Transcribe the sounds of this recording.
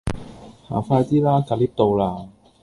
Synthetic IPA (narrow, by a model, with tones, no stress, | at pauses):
ha̰ː˨˩˦faː˧t̪iː˦˥laː˥kaː˨˧˩liː˦˥p̚t̪o˧wlaː˧